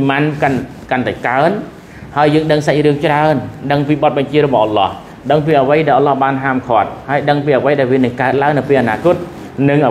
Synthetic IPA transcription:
mankan | kant̪aɛkaən | haəjːəːŋɗəŋsac̚rɨəŋt͡ɕraənɗəŋpiːɓɑt̪̚ɓɑɲt͡ɕiəɾɔɓɑhʔɑlɑ̰h | ɗəŋpiːʔəʋəjɗaɛlʔɑnlɑhɓaːnɦaːmkʰŏət̪̚haəjɗəŋpiːʔəʋəjɗaɛlʋiənɨŋkaət̪̚laəŋnɨwpeːlanaːkʊ̆ət̪̚ | nɨŋʔ

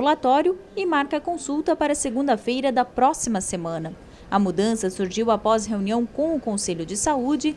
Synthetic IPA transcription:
ulat̪ɔɾjʊɪmaɾkɐkõsuwt̪ɐpaɾɐseɡũnd̪ɐfejɾɐd̪ɐpɾɔsimɐsemɐ̃nɐ | ɐmud̪ɐ̃sɐsuɾʒiwapɔzɦeũniɐ̃w̃kõw̃ʊkõseʎʊd͡ʒɪsaud͡ʒɪ

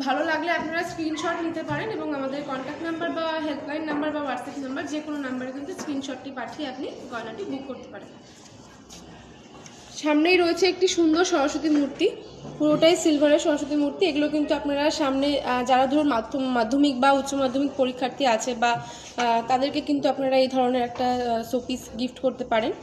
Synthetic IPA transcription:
bʱalolaɡleapnaɾaskɾinʃɔʈnit̪epaɾeneboŋamad̪eɾkɔɳʈak̚ʈnambəɾbaɦelɖlajnːambəɾbawaɖsɛpnambəɾd͡ʑekononambaɾk̬int̪uskɾinʃɔʈːipaʈʰieapniɡɔnaʈibʱukːoɾt̪e̥paɾen | ʃamnejɾoet͡ɕʰeek̚ʈiʃund̪oɾʃɔɾoʃot̪imuɾt̪i | puɾoʈajsilbʱaɾeɾʃɔɾoʃot̪̬imuɾt̪ieɡulok̬int̪uapnaɾaʃamned͡ʑaɾad̪ʱuɾoɾmad̪ʱomad̪ʱːomik̚baut̪ːɕomad̪ʱːomik̚poɾikʰːaɾt̪iat͡ɕʰeba | t̪ad̪eɾkekint̪uapnaɾaejd̪ʱɔɾoneɾɛk̚ʈasopisɡifʈkoɾt̪epaɾen

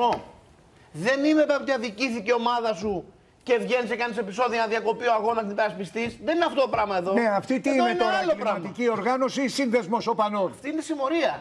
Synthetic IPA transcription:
o | ðe̞nimet̪eot̪iɐðiciθice̞o̞mɐðɐsu | ce̞vʝe̞nisekɐnise̞piso̞ðionɐðjɐko̞pioɐɣo̞nɐsipeɾɐspist̪isðe̞nineɐft̪ot̪opɾɐmɐe̞ðo̞neɐft̪it̪ineinolopɾɐɐɐt̪icio̞ɾɣɐno̞sisinðe̞zmosopɐnonft̪iinesimo̞ɾiɐ

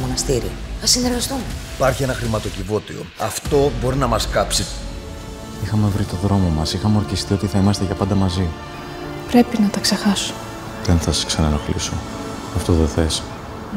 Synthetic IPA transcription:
monɐst̪iɾḭθɐsineɾɣɐst̪umeipɐɾçie̞nɐxɾimɐt̪o̞civo̞t̪io̞̰ɐft̪o̞bo̞ɾinɐmɐskɐpsi | ixɐme̞vɾit̪oðɾo̞mo̞mɐsixɐmeo̞ɾçist̪io̞t̪iθɐimɐst̪eʝɐpɐnd̪ɐmɐzi | pɾe̞pinɐt̪ɐkse̞xɐsu̥ | kenθɐsɐ̥sksɐnɐnɐxlḭso | ɐft̪oðeθe̞s

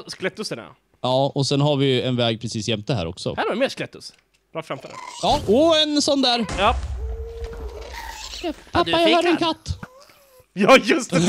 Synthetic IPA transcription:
sklɛt̪ːʉsənɛ̰ | ɑːɔsɛnɦaɾvɪɛnvɛːɡ̚pʰɾɛsiːsjɛmt̪əɦæ̰ɾɔ̰ksɔ̰hæːɾmeːsklɛt̪ːʊs | b̥ɾɑːfɾamfəd̪ə̰jɑːɔɛnsɔnd̪æːɾjɑ | ɛpʰapːajahœːɾɛnkʰat̪ː | jɑjɵs

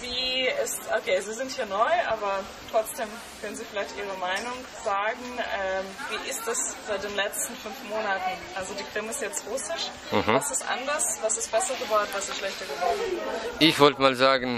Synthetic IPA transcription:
viːɪstʔokʰeːziːzɪnthiːɐnɔʏʔaːbɐ | tʁ̥ɔt͡sd̥eːm | kʰœnənziːfɪlaɪçtʔiːʁ̞əmaɪnʊŋ | z̥aːɡŋ̩ɛːviːʔɪstd̥asz̥aɪt̚d̥eːnlɛt͡stn̩fʏnfmoːnatn̩ʔalzodiːkʁ̥ɪməɪstjɛt͡stʁʊsɪʃ̩ | hvasɪstʔa̰ndɐsv̥asɪst̚b̥ɛsɐɡəbɔʊtv̥asɪsʃlɛçtɐɡəbɔʊʔɪçv̥ɔltəmaːlzaːɡn̩

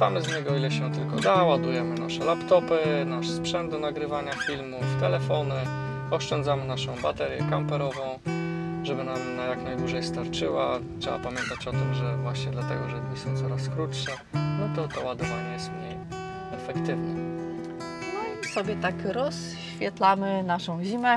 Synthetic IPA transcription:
t̪amɘsɲɛɡɔilɛɕɛt̪ɘlkɔd̪awad̪ujɛmɘnaʂɛlapt̪ɔpɘnaʂspʂɛnd̪̚d̪ɔnaɡɾɘvaɲafʲilmuft̪ɛlɛfɔnɘ | ɔʂt͡ʂɛnd̪zamɘnaʂɔ̃w̃bat̪ɛɾjɛ̰kampɛɾɔvɔ̃w̃ | ʐɛbɘnamnajaknajd̪wuʐɛjst̪aɾt͡ʂɘwatʂɛ̰ba̰pamʲjɛnt̪at͡ɕɔt̪ɪmʐɛvwaɕɲɛd̪lat̪ɛɡɔʐɛɲʲisɔ̃w̃t̪sɔɾaskɾutʂɛ | nɔt̪ɔt̪ɔwad̪ɔvaɲɛjɛst̪mɲej | ɛfɛkt̪ɘvnɛ | nɔsɔbʲjɛt̪akɾɔsɕfʲjɛt̪lamɘnaʂɔ̃w̃ʑimɛ

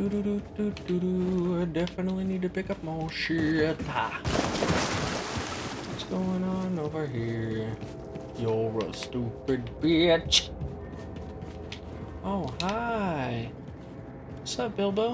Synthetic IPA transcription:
d̥uɾuɾututuɾuaɪdɛfɨnətˡlinid̚tɨpɪkʌp̚mɔʃɪɹɨtʰa | ʌtsɡ̥oʊɪ̃ŋə̃noʊvə˞ɦiɹ | jɔɹʌstupɪd̚bɪt͡ʃ | oʊhaɪ | sɛt̚b̥ɪlˠbɪ

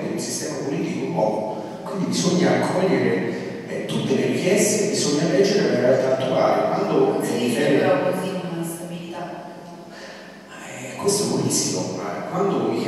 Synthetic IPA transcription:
eilsi̥st̪ɛmapoliːt̪ikoumpɔːko | kwind̪ibizoɲːaːkʰːɔʎːeɾe | ɛt̪ut̪ːeleɾikjɛst̪ekebːizoɲːalɛd͡ʒːeɾeleɾealt̪aːt̪ːuaːlekwand̪oɛɾɔkzikonunast̪abilit̪a | ma | ɛkːwest̪oɛbːolisːimoma̰kwand̪oik

